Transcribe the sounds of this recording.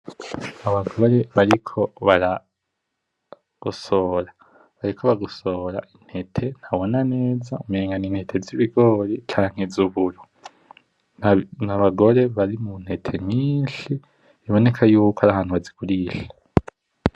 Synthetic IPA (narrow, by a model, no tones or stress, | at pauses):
aβaɡoɾe̞βaɾikʰo̞βaɾa | ɡ̥uso̞ːɾa | βaɾikʰoβaɡuso̞ːɾa̰ʔin̥he̞tʰe̞n̥haβo̞nane̞ːzaumieːŋɡaniːnhe̞tʰe̞ziβiɡo̞ɾit͡ʃaːŋ̥hezuβuɾo | naβaɡo̞ɾe̞βaɾimun̥he̞tʰe̞miːnʃiː | βo̞ne̞kʰajuːkoaɾaɦaːn̥huβazikuɾiːʃḁ